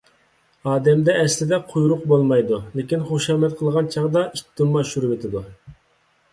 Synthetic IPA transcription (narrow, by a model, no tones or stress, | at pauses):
ɑːd̪ɛmd̪ɛːslɪd̪ɛqʰujɾʊqbolˠmɑjd̪ulekʲinχoʃɑːmɛt̪̚qʰəlˠʁɑnt͡ʃʰɑʁd̪ɑit̪ːumːɑʃuɾvet̪ʰɪd̪u